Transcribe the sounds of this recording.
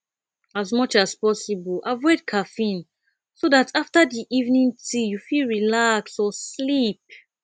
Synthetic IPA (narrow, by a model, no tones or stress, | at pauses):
azmʌt͡ʃaspɔsibəlʔavɔɪd̚kʰafĩn | sodatʰaftədiʔivnĩŋtʰijufilɹilaksɔslip̚